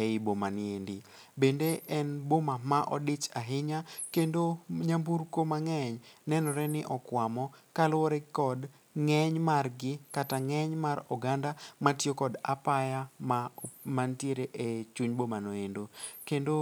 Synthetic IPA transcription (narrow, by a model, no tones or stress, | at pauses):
eɪbomanɪendɪbendeɛnbomamaʔɔ̰dɪt͡ʃaɦɪɲakendoɲamburkomaŋɛɲnɛnɔɾɛnɪʔɔkwamɔkalwɔɾɛkɔd | ŋɛɲmarɡɪkataŋɛɲmaɾɔɡandamatjokɔda̰pajamamantjeɾeʔet͡ʃuɲbomanoendokendo